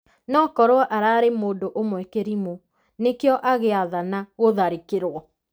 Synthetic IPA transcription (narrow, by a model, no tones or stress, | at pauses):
nɔkɔɾwɔʔaɾaːɾemoːndoʔomwɛkeɾimo | nekeɔʔaɣeaðanaɣoðaɾikeɾwɔ